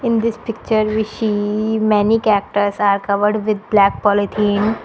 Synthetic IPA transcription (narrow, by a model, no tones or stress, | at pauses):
ɪ̃nd̪ɪspɪk̚t͡ʃəɾʋiʃimɛnikɛk̚ʈəɾsaːɾkɐʋəɾɖʋɪd̪̚blɛːk̚pɔːlɪt̪ʰĩːn